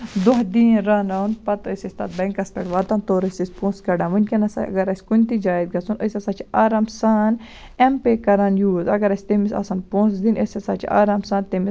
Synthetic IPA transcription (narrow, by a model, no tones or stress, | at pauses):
d̪oɦd̪iːɾaːnɐwnpɐt̪osʲɐsʲt̪ɐ̰t̪̚bɐ̃ŋkɐspɐʈʋaːt̪ant̪oːɾɐsʲisʲpõːnskɐɖãːmunʲkinɐsɐ̰ɐ̰ɡɐɾɐsʲkunʲt̪id͡ʒaːjd̪̚ɡɐsunɐsʲɐsɐt͡ʃʰiaːɾamsaːn | empekɐɾɐnjuːzɐ̰ɡɐɾɐsʲt̪emisɐ̰sɐnpõːsd̪inɐsʲɐsaːt͡ʃʰia̰ːɾaːmsãːnt̪emis